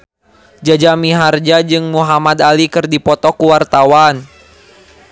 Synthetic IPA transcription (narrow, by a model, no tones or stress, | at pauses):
d͡ʒad͡ʒamiɦard͡ʒad͡ʒɨŋmuɦamad̪alikɨrdipɔt̪ɔkuwart̪awan